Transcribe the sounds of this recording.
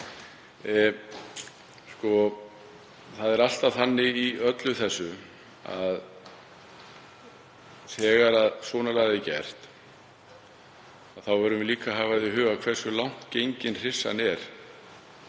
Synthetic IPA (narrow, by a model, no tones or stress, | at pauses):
skɔ | θaðɛɾal̥t̪aθanːɪiœt̪lʏθɛsːʏ | a̰ð | sɛːɣaɾaðsɔːnalaɣaðɪcɛr̥t̪ | aðθawvɛɾʏmvɪliːkaɦaːvaðɪɦʏːɣakʰvɛr̥sʏlawŋ̥t̪cejɲcɪnr̥ɪ̥sːa̰nɛɾ̥